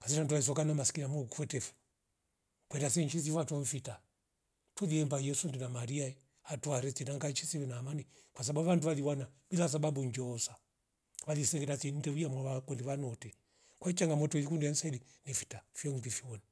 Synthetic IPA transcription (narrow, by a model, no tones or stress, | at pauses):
kas̬itantuais̬ɔkanamasi̥kinamuɔkufɛtɛfu̥ | kwɛndasɛnt͡ʃis̬ifatwɔɱ̩fita | tɔliɛmbajɛsundinamaɾiaɛ | atuaɾɛtɛnaŋɡaɲʃisifɛnaːmanikwas̬ababuβanduʋaliwanabilas̬ababuɲd͡ʒɔːsa | ʋalisɛŋɡɛtasin̩dɛujamɔakɔndiβanɔtɛ | kwait͡ʃaŋɡamɔtɔilikundiansailinɛfi̥tafjɔŋpifiɔni